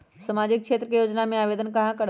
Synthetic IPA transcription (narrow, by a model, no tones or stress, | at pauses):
sɐmaːd͡ʑɪk̚kʃeːt̪ɾəkejoːd͡ʒnamẽaːʋeːd̪ənkɐɦãkɐɽ